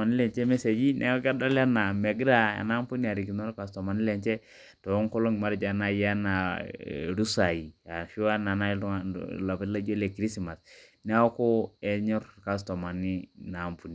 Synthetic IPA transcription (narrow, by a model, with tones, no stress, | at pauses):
a˨ni˦lɛ˨nt͡ʃɛ˦me˦se˨d͡ʒi˦nʔɛ̰˦ka˦da˦la˦na˨me˨ɡɾa˦a̰˨na˦mpu˦ni˦a˨ɾi˨ki˨no˦ɾka˨stɔ˨ma˨ni˦le˨nt͡ʃɛ˦ | to˨˦ŋko˦lo˦ŋ˨ma˦ɾd͡ʒa˨na˨ja˦na˨ | ɾu˦sa˨ji˨a˨ʃu˦wa˦na˨na˦˨la˨pa˨la˦d͡ʒo˦le˨kɾi˦si˨ma˨snɛ˦ɔ˦ko˦ɛ˦ɲɔ˦ɾka˨s̬tɔ˨ma˨ni˦na˨mpu˨˦ni˨